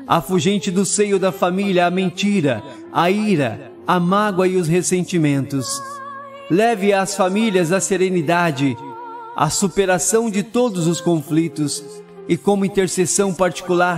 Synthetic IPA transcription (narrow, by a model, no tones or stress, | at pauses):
ɐ̰fuʒẽnt͡ʃɪd̪ʊsejʊd̪ɐfamiljɐːmẽnt͡ʃiɾɐ | aiɾɐ̰ | amaɡwɐɪʊshesẽnt͡ʃimẽnt̪ʊs | lɛvɪɐːsfamiljɐzɐseɾenid̪ad͡ʒɪ | a̰supeɾasɐ̃w̃d͡ʒɪt̪od̪ʊzʊskõflit̪ʊs | ɪkõmʊĩnt̪eɾsesɐ̃w̃paɾt͡ʃi̥kulaɾ